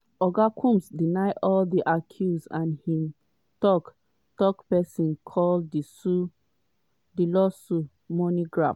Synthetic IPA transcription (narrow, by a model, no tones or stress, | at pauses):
ɔɡakʰũmsdinaɪʔɔldiʔakʰjusãnhĩm | tɔk | tɔkpɛsĩnkʰɔldisu | dilɔsu | mɔniɡɹaf